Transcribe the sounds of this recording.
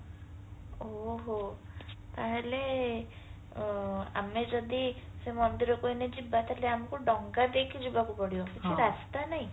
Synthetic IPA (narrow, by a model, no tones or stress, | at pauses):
oɦo | t̪aɦele | a̰med͡ʒɔd̪isemɔnd̪iɾɔkoined͡ʒibat̪aɦeleamkuɖɔŋɡad̪ekʰid͡ʒubakupɔɽjokit͡ʃʰiɾast̪anaɦĩ